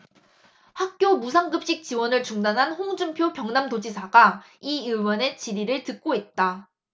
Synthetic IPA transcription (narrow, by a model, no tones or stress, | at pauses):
hak̚k͈jomus̬ʰaŋɡɯp̚ɕ͈ik̚t͡ɕ͈iwʌnɯɭt͡ɕuŋdanɦanɸoŋd͡ʑumpʰjopjʌŋnamdod͡ʑisʰaɡa | iɯwʌne̞t͡ɕiɾiɾɯɭtɯk̚k͈oit̚t͈a